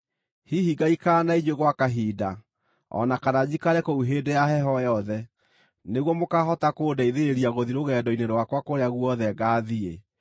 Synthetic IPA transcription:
hihiɡaikaːnaiɲweɣwakaɦiːda | ɔ̰nakanad͡ʑikaɾɛkouɦeːdɛjaɦɛɦɔjɔðɛ | neɣwɔmokaːɦɔtakoːdaiðeeɾiaɣoðiɾoɣɛdɔineɾwakwakoɾeaɣuɔðɛɡaːðiḛ

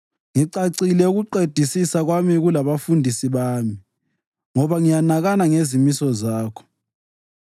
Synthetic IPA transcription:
ŋiǀaǀilɛuɣuǃed̥ʱisisaɣwamiɣulaβafundʱisiβaːmi | ŋɔβaŋijanaɣanaŋezimisɔzaːkʰɔ̥

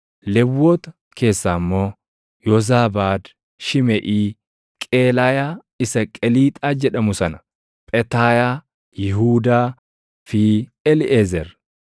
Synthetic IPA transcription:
lɛwːoːt̪ɐ̥ | kʰe̞ːsːaːmːo̞ː | jɔzaːbaːd̪ | ʃɪmɛʔiː | kʼe̞ːlaːjaː | ɪsɐkʼɛliːt̪ʼaːd͡ʒɛᶑɐmʊsɐnɐ̥ | pʼɛt̪aːjaː | jɪɦuːd̪aː | fiɛlɪʔeːzɛɾ

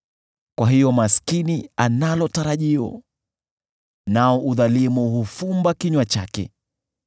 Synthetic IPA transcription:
kwaɦiɔmaskinianalɔtaɾaʄiɔ̰ | naɔʔuðalimuɦufumbakiɲwat͡ʃakɛ̰

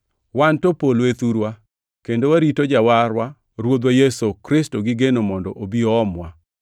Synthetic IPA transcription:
wantopolwet̪uɾwa | kendowaɾitod͡ʒawaɾwa | ɾwod̪wajesokɾɪstoɡɪɡenomɔndɔʔobiɔːmwa

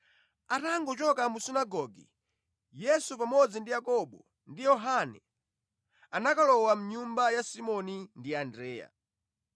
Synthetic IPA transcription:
ataŋɡɔt͡ʃɔkamusinaɡɔɡḭ | jɛsupamɔd͡zindijakɔɓɔ | ndijɔɦanɛ | anakalɔwam̩ɲumbajasimɔnindiandɾɛːja̰

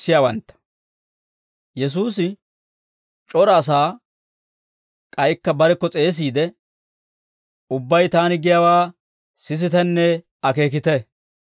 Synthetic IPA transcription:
sːɪjawɐ̰nt̪ːɐ̥ | jɛs̬uːsɪ | t͡ʃʼɔɾɐːs̬aː | kʼɐjkːɐbɐɾɛkːɔt͡sʼe̞ːs̬iːd̪ɛ | ʊbːɐjt̪aːnɪɡɪjawaː | sɪs̬ɪt̪ɛnːɛ | ɐke̞ːk̬ɪt̪ɛ

